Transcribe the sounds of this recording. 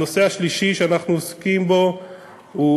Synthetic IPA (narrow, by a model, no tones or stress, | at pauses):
o̞se̞aʃliʃiʃeanaχnuoskimbo̞ | u